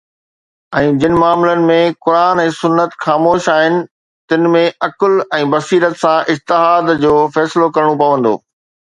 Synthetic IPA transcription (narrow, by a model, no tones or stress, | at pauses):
ɛ̃ːd͡ʑɪnɪ̆maːmlənɪ̆mẽkʊɾaːnɛ̃ːsʊnːət̪xaːmoːʃaːɦɪnɪ̆ | t̪ɪnɪ̆mẽʔɐklɛ̃ːbɐsiːɾət̪sãʔɪd͡ʑt̪ɪɦaːd̪d͡ʑoːfɛːsɪlokɐɾɽ̃õpɐʋə̃n̆d̪o̰ː